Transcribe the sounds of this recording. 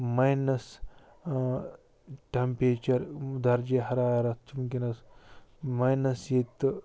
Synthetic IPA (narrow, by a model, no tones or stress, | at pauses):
majnɐs | ʈɐmpeːt͡ʃɐɾd̪ɐɾd͡ʒeɦɐɾaːjɐɾɐt̪t͡ʃumkinɐs | majnɐsjet̪ɨ